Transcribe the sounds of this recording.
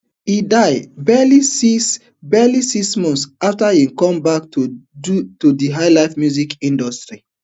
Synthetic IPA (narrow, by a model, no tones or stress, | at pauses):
hidaɪbɛlisis | bɛlisismɔ̃nsaftahĩmkɔ̃mbaktu | tudiɦaɪlaɪfmjuzikĩndɔstɹi